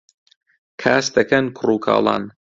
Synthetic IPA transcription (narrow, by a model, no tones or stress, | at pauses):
kʰaːsd̪ɐkɐnkʰʊruːkʰɑ̰ːlˠɑ̰ːn